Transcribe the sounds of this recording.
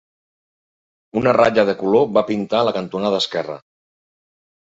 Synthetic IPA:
unəra̰d͡ʒəðəkuloβapint̪aləkənt̪unaðəskɛrə̰

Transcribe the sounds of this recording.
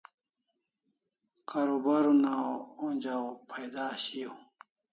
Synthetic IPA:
kaɾobaɾunaounʲd͡ʑaopʰajd̪aːɕijo

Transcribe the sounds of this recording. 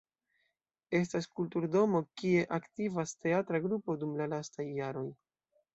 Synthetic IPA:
e̞s̬taskultuɾdo̞mo̞kie̞ʔaktivaste̞atɾaɡɾupo̞dumlalastajːaɾo̞j

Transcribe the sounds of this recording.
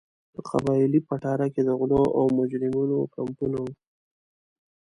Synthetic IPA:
pəqa̰bɑlipaʈɑɾaked̪əɣloʔawmʊd͡ʒɾɪmunokampunawu

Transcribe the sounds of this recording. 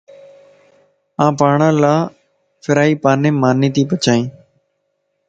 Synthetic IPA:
ãːpaːɳãːlaː | fʰɪɾaːiːpaːnẽːmaːnĩːt̪iːpət͡ʃaːĩː

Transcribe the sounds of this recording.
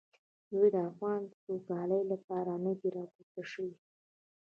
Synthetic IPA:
d̪ujd̪əafɣɑnsoɡɑləjlapɑɾanəd̪iɾɑkut̪aʂəwi

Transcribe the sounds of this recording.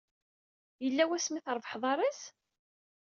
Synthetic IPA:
jəlːæwæsmiθəɾˤvəħðˤɑɾˤæs

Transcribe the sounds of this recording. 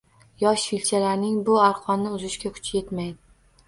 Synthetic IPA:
jɒʃfilʲt͡ʃʰalaɾnɪŋbʊaɾqʰɒnnːɪʊzɪʃkʲakʰʊ̥t͡ʃje̞t̪majd̪ɪ

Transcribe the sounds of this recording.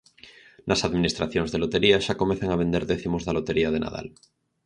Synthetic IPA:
nʔasaðmĩnist̪ɾaθjoŋzðelot̪eɾiaʃakomẽθeŋaβ̞end̪eɾðeθimozðalot̪eɾiað̞ena̰ða̰l

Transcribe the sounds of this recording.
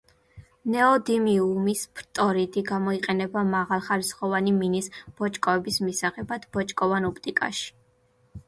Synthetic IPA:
nɛɔd̪imiumispʰɾt̪ʼɔɾid̪iɡamɔiqʼɛnɛbamaʁalˠχaɾisχɔvaniminisb̥ɔt͡ʃʼkʼɔɛbismisaʁɛbad̪̥bɔt͡ʃʼkʼɔvanɔpʰt̪ʼikʼa̰ʃi̥

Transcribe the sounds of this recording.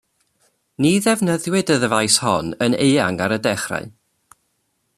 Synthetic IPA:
niðɛvnəðwɪdəðəvajshɔnəneja̰ŋaɾədɛχra̰ɨ

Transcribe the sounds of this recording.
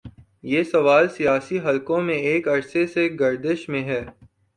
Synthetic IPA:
jeːsɐʋaːlsijaːsiɦɐlkõmẽeːkɐɾseseɡɐɾd̪ɪʃmẽɦɛː

